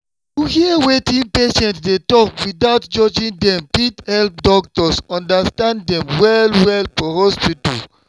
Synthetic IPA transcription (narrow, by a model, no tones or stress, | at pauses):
juhiəwetĩnpeʃɛ̃ntdetɔkwidaʊtd͡ʒɔd͡ʒĩndɛ̃mpithɛlp̚dɔktɔsɔ̃ndastãnddɛ̃mwɛlwɛlfɔhɔspito̰